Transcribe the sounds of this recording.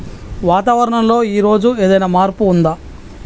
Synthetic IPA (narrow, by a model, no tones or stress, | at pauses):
ʋaːt̪aːʋɐɾɐɳɐmlo̞ːiːɾo̞ːd͡ʒue̞ːd̪ɐjnaːmaːɾpuːnd̪a